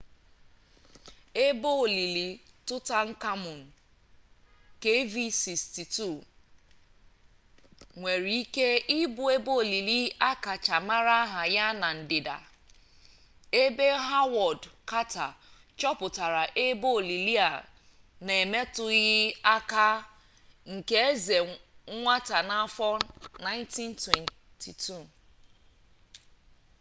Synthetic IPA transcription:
e˦bo˦˨li˨li˨tʊ˦ta˦ŋ̩˦ka˦mʊ˨n̩˨ | ke˦vi˦si˨ksti˨tu˦˨ | ŋʷe˨ɾi˨i˦ke˦ɪ˦bʊ˨e˦bo˦o˨li˨li˦a˦ka˨t͡ʃa˨ma˦ɾa˦ɦa˨ja˦na˨n̩˨dɪ˨da̰˨ | e˦be˦ɦa˦wɔ˨dka˦ta˨ | t͡ʃɔ˦pʊ˨ta˨ɾa˨ʔe˦bo˦˨li˨li˦a˨ | ne˨me˦tʊ˦ɣɪ˦a˦ka˦ | ŋ̩˨ke˦e˦ze˨˦ŋʷa˦ta˨na˦a˦fɔ˦na˦ɪ˦nti˦n˦twe˨n | tʰi˨tʰu˦˨

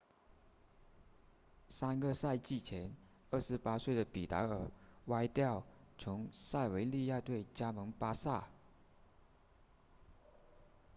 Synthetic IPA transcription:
sa˥nɡə˧sa˥˧ɪt͡ɕi˥˩t͡ɕʰjɛ˧˥n | ə˞˥˩ʂɻ̩˧˥pa˥swe˥˩ɪd̪ə˩pi˨˩t̪a̰˧˥ə˨˩wa˥ɪt̪jɑ˥˩ʊt͡sʰʊ˧˥ŋsa˥˩ɪwe˧˥ɪli˥˧ja˥˧t̪we˥˩ɪt͡ɕja˥mɤ˧˥ŋpa˥sa˥˩

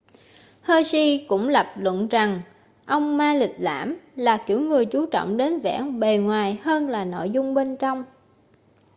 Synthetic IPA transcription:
həː˧jsi˧kʊ̰˧˥ŋ͡mla˨˩p̚lwə̰˧˨nza˨˩ŋ | ʔə˧wŋ͡mmaː˧lï˨˩t̚la̰ː˧˥mlaː˨˩ki˧˩əwŋɨ˨˩əjt͡ɕu˨˦t͡ɕɔ̰˧˨wŋ͡mɗe˨˦nvɛ̰ː˧˥ŋɓe˨˩ŋwaː˨˩jhəː˧nlaː˨˩no̰˧˨jzʊ˧ŋ͡mɓe˧nt͡ɕɔ˧wŋ͡m

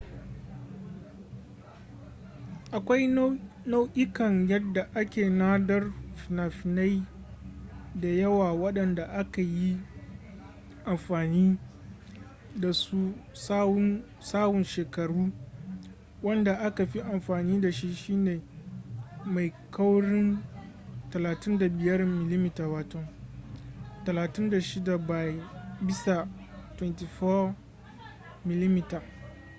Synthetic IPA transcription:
ʔa˨kʷa˦j | na˦wʔʲɪ˦kɐ˨ŋjɐ˦dːa˨ʔa˦kʲeː˨naː˦dɐ˦rfna˨ɸna˦j | da˨jɐ˦waː˨wɐ˦ɗɐ˨nda˨ʔa˦ka˨ji˦ | ʔa˨mɸaː˨niː˦ | da˨su˦s | saː˦bʊ˨nʃeː˨kɐ˨ɽuː˦ | wɐ˦nda˨ʔa˦ka˨ɸi˦ʔa˨mɸaː˨niː˦da˨ʃi˦ʃi˦neː˨ | ma˨jkʰa˦wɽɪ˦n | tɐ˨laː˨tɪ˦nda˨bɪ˨jɐ˦rmɪ˨li˦mɪ˦taː˨waː˨tɔ˦ŋ | tɐ˨laː˨tɪ˦nda˨ʃɪ˦da˨ba˨bɪ˦sa˨ | twɛ˦nti˨fɔ˦ | mɪ˨li˦mɪ˦ta˨

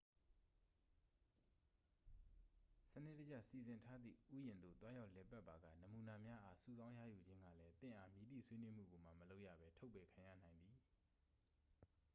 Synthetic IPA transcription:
sənɪ̰˦˨tə˦d͡ʑa˦˨si˨zɪ̃˨ntʰa˦d̪ðḭ˦˨ʔu˦jɪ̃˨nd̪o̰˦˨t̪wa˦ja˦ʊlɛ˨pa˦ʔpːa˨ɡa̰˦˨nə˨mu˨na˨mja˦ʔa˦sṵ˦˨zã˦ʊ̃ja̰˦˨ju˨d͡ʑɪ̃˦ŋɡä̰˦˨lɛ˦t̪ɪ̃˦˨ʔa˨mji˨t̪ḭ˦˨sʰwe˦nwe˦m̥ṵ˦˨ɡo˨m̥a˨məlo˦ʊʔja̰˦˨bɛ˦tʰo˦ʊpːɛ˨kʰã˨ja̰˦˨nã˨ɪ̃nd̪ði˨

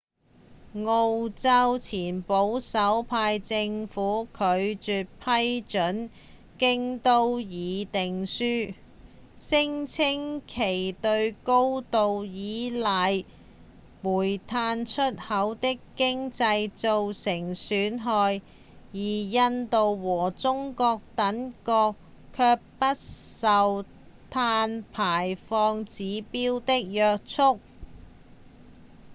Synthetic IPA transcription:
ŋo˧wt͡sɐ˥wt͡sʰiː˨˩npo˨˥wsɐ˨˥wpʰaː˧jt͡sɪ˧ŋfuː˨˥kʰɵ˨˧ɥt͡ʃyː˨˧t̚pʰɐ˥jt͡ʃɵ˨˥n | kɪ˥ŋt̪o˥wjiː˨˧t̪ɪ˨ŋsyː˥ | sɪ˥ŋt͡sʰɪ˥ŋkʰe˨˩jt̪ɵ˧ɥko˥wt̪o˧wjiː˨˥lɐ˨j | muː˨˩jt̪ʰaː˧nt͡ʃʰɵ˥t̚hɐ˨˥wt̪ɪ˥kkɪ˥ŋt͡sɐ˧jt͡so˨wsɪ˨˩ŋsyː˨˥nɦɔː˧j | jiː˨˩jɐ˧nt̪o˨wwɔː˨˩t͡sʊ˥ŋkɔː˧k̚t̪ɐ˨˥nkɔː˧k | kʰːœː˧k̚pɐ˥t̚sɐ˨w | t̪ʰaː˧npʰaː˨˩jfɔː˧ŋt͡siː˨˧˥piː˥wt̪ɪ˥k̚jœː˧k̚t͡sʰʊ˥k̚

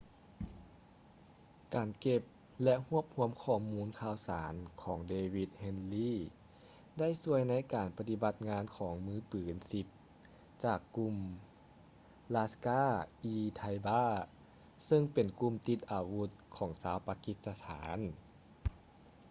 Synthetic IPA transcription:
kaː˨˩nke˧p̚ | lɛ˧˥ʔhu˧˥˩əp̚hu˧˥əmkʰɔː˧˩muː˧˥nkʰaː˧˩wsaː˩˦nkʰɔː˩˦ŋdeː˧wi˧t̪̚he˧nliː˥˩ | da˥˩jsu˧˥əjna˧˥jkaː˨˩npa˧t̪i˧ba˧t̪̚ŋaː˧˥nkʰɔː˩˦ŋmɯː˧˥pɯː˩˦nsi˧p̚ | t͡ɕaː˨˩kːu˧m | laː˧skaː˧˥˩ʔiː˧t̪ʰa˧jbaː˧˥˩ | sɤ˧ŋpe˨˩nku˧˨mt̪i˧t̪̚ʔaː˨˩wu˧˥t̪̚kʰɔː˩˦ŋsaː˧˦˥wpa˧ki˧˥t̪̚sa˧t̪ʰaː˩˦n

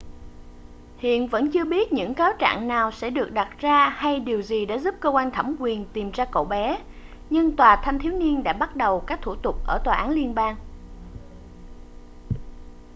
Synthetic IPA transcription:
hḭ˧˨ənvə̰˧˥nt͡ɕɨ˧əɓi˦˥ət̚ɲɨ̰˧˥ŋkaː˨˦wt͡ɕa̰ː˧˨ŋnaː˨˩wsɛ̰˧˥ɗɨ˨˩ək̚ɗa˨˩t̚zaː˧ha˧jɗi˨˩əwzi˨˩ɗa̰ː˧˥zu˦˥p̚kəː˧kwa˧nŋt̪ʰa˧˩mkwi˨˩ənt̪i˨˩mzaː˧ko̰˧˨wɓɛ˨˦ | ɲɨ˧ŋt̪waː˨˩t̪ʰa˧mt̪ʰi˨˦wni˧ənɗa̰ː˧˥ɓa˦˥t̚ɗə˨˩wkaː˦˥k̚t̪ʰu˧˩t̪ʊ˨˩k͡p̚ʔəː˧˩t̪waː˨˩ʔaː˨˦nli˧ənɓaː˧ŋ

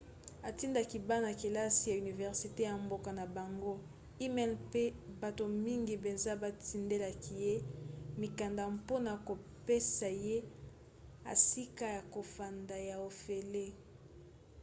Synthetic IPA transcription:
a˨ti˦nda˨ki˨ba˦na˨ke˨la˦si˨ja˨y˨ni˨vɛ˨ʁsi˨te˦ja˨mbo˦ka˨na˨ba˨ŋɡo˦ | i˦mɛ˦˨lpe˦ba˨to˨mi˦ŋɡi˨pe˨nza˦ba˦ti˦nde˦la˨ki˨je˦mi˨ka˨nda˨po˦na˨ko˨pe˦sa˨je˦ | a̰˨si˦ka˦ja˨ko˨fa˨nda˨ja˨o˨fe˨le˦

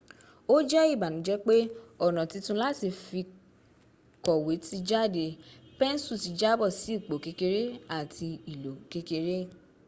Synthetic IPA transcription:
o˦d͡ʒɛ˦i˦˨ba˨nũ˨˦d͡ʒɛ˦k͡pe˦ɔ˦˨nã˨ti˧tũ˧la˦˨ti˧fi˧ | kɔ˨we˨˦ti˧d͡ʒa˦˨de˧˨pɛ̃˦n˦su˦˨ti˨˦d͡ʒa˦bɔ˦˨si˨˦˨k͡po˨ke˧ke˧ɾe˦a˦˨tʰi˧i˨lo˨ke˧ke˧ɾe˦

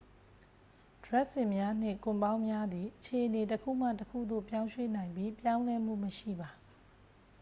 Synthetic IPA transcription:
d̥ɹɛ˦ʔsɪ̃˨mja˦n̥ɪ̰̃˦˨kʊ̃˨mbã˦ʊ̃mja˦d̪i˨ʔət͡ɕʰe˨ʔəne˨t̬əkʰṵ˦˨m̥a̰˦˨təkʰṵ˦˨d̪o̰˦˨pjã˦ʊ̃ʃwe˦nã˨ɪ̃mbi˦pjã˦ʊ̃lɛ˦m̥ṵ˦˨məʃḭ˦˨ba˨

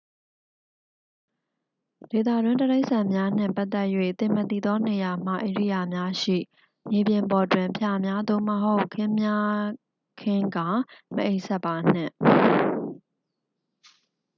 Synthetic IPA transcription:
de˨t̪ä̰˦˨dwɪ̃˦ntəɾe˦ɪʔsã˨mja˦n̥ɪ̰̃˦˨pa˦ʔt̪ːɛ˦ʔjwḛ˦˨t̪ɪ̃˨mət̪i˦˨d̪ɔ˦ne˨ja˨m̥a̰˦˨ʔe˨ɹḭ˦˨ja˨mja˦ʃḭ˦˨ | mje˨bjɪ̃˨mbɔ˨twɪ̃˨mpʰja˨mja˦d̪o˦˨məɦo˦ʊkʰːɪ̃˦mja˦ | kʰɪ̃˦ŋɡa˨mə˨ʔe˦ɪʔsʰɛ˦pːa˨n̥ɪ̰̃˦˨

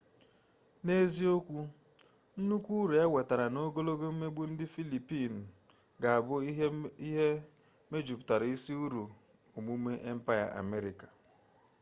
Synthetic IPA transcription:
ne˦zi˦o˦kʷu˦ | n̩˦nu˦kʷu˦ɾe˨e˦we˨ta˨ɾa˨no˦ɡo˦lo˦ɡo˦m̩˦me˦ɡ͡bu˦n̩˦dɪ˦fi˦li˨pi˦˨n̩˨ | ɡa˨a˨bʊ˦i˦ɦe˦ | me˦d͡ʒu˨pʊ˨ta˨ɾi˦si˦u˦ɾu˨ | u˨mu˦me˦ʔe˦m̩˦pa˦ja̰˨a̰˨me˦ɾi˨ka˨

